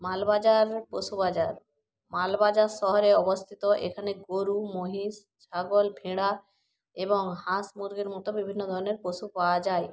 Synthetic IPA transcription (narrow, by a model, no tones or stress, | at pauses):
malbad͡ʒaɾpɾosubad͡ʒaɾ | malbad͡ʒaɾsɔɦɔɾeɔbɔst̪ʰit̪ɔʔḛkʰaneɡoɾumoɦis | t͡ʃʰaɡɔlbʱiɽa | ebɔŋhãsmuɾɡeɾmɔt̪ɔbibʱinːɔd̪ʱɔɾɔneɾposupaad͡ʒaj